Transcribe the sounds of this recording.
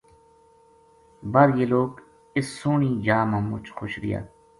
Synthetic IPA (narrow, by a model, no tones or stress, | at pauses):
baɾjeːloːk | ɪsːʊːɳiːd͡ʒaːmãːmʊt͡ʃxʊʃɾɪ̰ja̰ː